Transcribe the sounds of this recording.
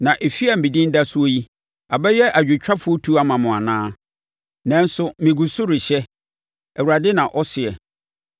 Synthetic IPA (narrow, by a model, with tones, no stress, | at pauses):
nã˨ʔe˨fi˦a˨m̩˨bi˨dĩ˦n˦da˦sʊ˦o˦ji˦ | a˨bɛ˦jɛ˦ʔa˨d͡ʑᶣɪ˨t͡ɕᶣa˦fʊ˨˦ɔ˦tʰu˦a˦mã˨mʊ̃˨a˨nãː˦ | nɛ̃˦n˦sʊ˦mɪ̃˨ɡu˨sʊ˦ɾɪ˨ɕɛ˦ | ɛ˨wu˨ɾa˨dɪ˦nã˨ʔɔ˦sɪ˨ɛ˨